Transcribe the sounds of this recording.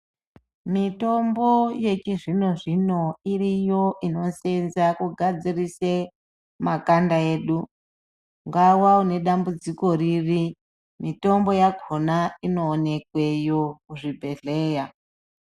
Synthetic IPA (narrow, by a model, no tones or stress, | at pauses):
mito̞mbo̞je̞t͡ʃiʐino̞ʐino̞irijo̞ʔino̞se̞nzakuɡʱad͡zirise | makandae̞ːɗu | ŋɡawaune̞ɗambud͡ziko̞ɾiri | mito̞mbo̞jaɡʱonaino̞ːne̞kwe̞jokuʐibʱe̞ɮe̞ːja